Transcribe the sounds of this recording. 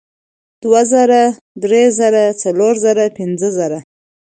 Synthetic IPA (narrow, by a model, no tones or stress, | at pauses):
d̪̥wazəɾa | d̪ɾezəɾat͡saloɾzəɾapɪnzəzəɾa